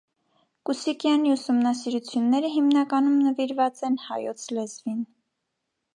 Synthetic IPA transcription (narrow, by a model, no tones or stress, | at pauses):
kusikjɑniusumnɑsiɾut͡sʰjunːɛɾəɦimnɑkɑnumnəviɾvɑt͡sɛnhɑ̰jɔt͡sʰlɛzvin